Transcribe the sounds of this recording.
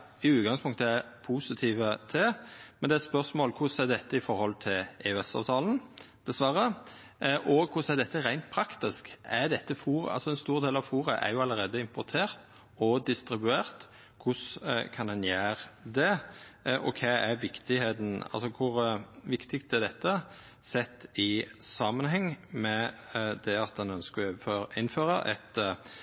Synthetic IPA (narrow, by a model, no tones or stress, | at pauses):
ɪʉːt̪ɡɑŋspʰʊŋkt̪əæpʰuːsɪt̪ʰiːʋət̪ʰɪmɛnd̪ɛæspœʁsmoːlkʰʊsæd̪ɛt̪ːəɪfɔɾhɔlt̪ʰɪleːʉɛsɑ̰ʋt̪ʰɑːln̩d̪̥ɛsʋæɾə | ʔɔkʰʊsæd̪ɛt̪ːəɾæɪnt̪̚pʰɾɑkt̪ɪskæd̪ɛt̪ːəfuːɾə̰ʔɑ̰lsɔɛnst̪uːʁd̪eːlɑʋfuːʁə̰ʔæ̰ɾjʊɑləʁeːd̪əɪmpʊt̪ʰeːʁt̪ | ɔd̪ɪst̪ɾɪbʉeːʁt̪ | kʰʊskʰɑnd̪ɛnjæːʁd̪ɛ | ʔɔ̰kʰææʋɪkt̪ɪheːt̪n̩ɑ̰lsɔkʰʊʁʋɪkt̪ɪkt̪̚æɾd̪ɛt̪ːə | sɛt̪ːɪsɑmənɦɛŋːmɛd̪ɛɑt̪̚d̪ɛnœnskəɔøɪnføːʁəʔɛ̰t̪